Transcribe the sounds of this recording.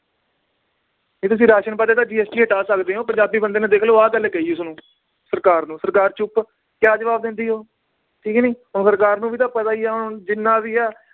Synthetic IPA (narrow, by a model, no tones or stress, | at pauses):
ɦeːt̪̬ʊs̬ĩːɾaːʃənpəd̪eːt̪ãːd͡ʒiːɛːsʈiːɦəʈaːsəkd̪eːɦoːpəɲd͡ʒaːbiːbənd̪eːnãːd̪eːkʰloːaːɡəlːekəiʊsnũː | səɾkaːɾnũːsəɾkaːɾt͡ʃʊp | kjaːd͡ʒəʋaːbd̪ɪ̃nd̪iːɦoː | ʈʰiːknĩːɦʊnsəɾkaːɾnũːʋiːt̪ãːpət̪aːiːaːɦʊnd͡ʒɪnːãːʋiːaː